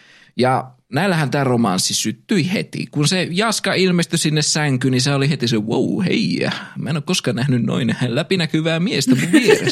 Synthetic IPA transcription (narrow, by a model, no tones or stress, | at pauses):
jɑ | næilːæhænt̪æːromɑ̰nsːisyt̪ːyihḛt̪ḭkunsejɑskɑilmest̪ysinːessæŋkyniseolihet̪isewo̰uhḛiæ̰mæˑenokoskɑːnnæhnynno̰inehælæpinækyʋæːmiest̪æmuʋʋierḛ